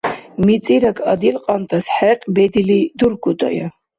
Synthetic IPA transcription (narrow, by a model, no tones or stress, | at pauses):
mit͡sʼiɾakʰʼad̪ilqʼant̪ʰʼasħɛqʼbɛd̪ilid̪uɾɡut̪ʼa̰ja